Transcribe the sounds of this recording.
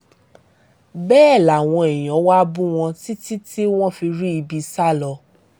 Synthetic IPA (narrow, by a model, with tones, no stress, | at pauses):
bɛː˦˨la˨w̃ɔ̃˧e˨j̃ɔ̃˨˦wa˦bũ˦w̃ɔ̃˧ti˦ti˦tʰi˦w̃ɔ̃˦fi˧ɾi˦i˧bi˧sa˦lɔ˧